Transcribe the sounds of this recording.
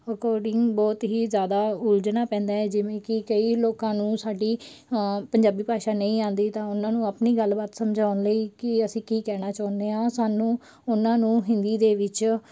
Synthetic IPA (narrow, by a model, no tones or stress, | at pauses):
əkɔːɾɖɪŋɡbɔːt̪ɦiːzjaːd̪aːʊld͡ʒnaːpɛ̃ːnd̪aːɛːd͡ʒɪʋẽːkɪkəiːloːkãːnũːsaːɖiː | pəɲd͡ʒaːbiːpaːʃaːnəĩːãːnd̪iːt̪ãːʊnãːnũːaːpniːɡəlbaːt̪səmd͡ʒʱaːʊnləiːkɪəsĩːkiːkɛːɽ̃aːt͡ʃaːnd̪eːãːsaːnũː | ʊnãːnũːɦɪ̃nd̪iːd̪eːʋɪt͡ʃ